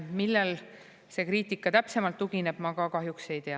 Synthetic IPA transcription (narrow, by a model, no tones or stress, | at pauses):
milːel | se̞kriːt̪ːˑikːˑɑt̪æpse̞mɑlt̪ːuɡine̞b̥mɑkɑkɑɦjukse̞jt̪e̞ɑ